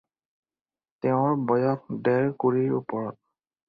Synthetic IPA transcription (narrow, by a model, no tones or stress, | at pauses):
tɛʊ̃ɹbɔjɔk̚dɛɹkoɹiɹupɔɹɔt̚